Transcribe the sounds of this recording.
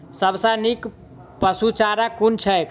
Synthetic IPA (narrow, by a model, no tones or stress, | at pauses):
səbsãnik | pəsut͡ʃaɾakunt͡ʃʰəkʰ